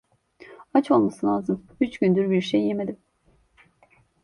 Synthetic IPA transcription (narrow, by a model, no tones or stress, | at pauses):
at͡ʃo̞lˠmasɯlʲaːzɯm | yt͡ʃɟynd̪yɾbiɾʃejːemed̪im